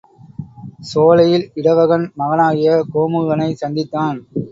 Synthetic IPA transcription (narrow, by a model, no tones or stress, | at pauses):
soːlɐjɪlɪɽɐʋɐɣɐnmɐɣɐnaːɣɪjɐkoːmɯɣɐnɐɪsɐnd̪ɪt̪ːaːn